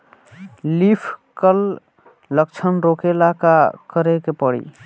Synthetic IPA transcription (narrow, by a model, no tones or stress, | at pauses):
lipʰkəl | ləkt͡ʃʰənɾokelakakəɾekepəɽḭ